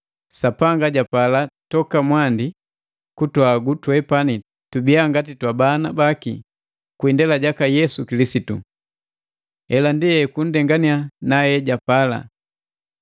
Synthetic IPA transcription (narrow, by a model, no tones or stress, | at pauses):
sapaŋɡaɟapalatɔkamwandi | kutwaɡutwɛpani | tubiaŋɡatitwabanabakḭ | kwindɛlaɟakajɛsukilisitṵ | ɛlandijɛkun̩dɛŋɡanianajɛɟapala̰